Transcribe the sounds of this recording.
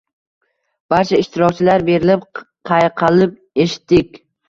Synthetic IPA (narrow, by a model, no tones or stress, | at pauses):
b̥aɾt͡ʃʰaɪʃt̪ɪɾɒk̚ʲt͡ʃʰɪlaɾbe̞ɾɪlɪp̚qʰɑjqʰɑlɪp̚ | eʃɪ̥t̪ːɪkʲ